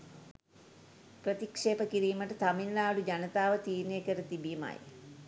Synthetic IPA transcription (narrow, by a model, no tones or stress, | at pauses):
prət̪ikʂeːpəkiɾiːməʈət̪aminlaːɽud͡ʒanət̪aːʋət̪iːɾnekəɾət̪ibima̰j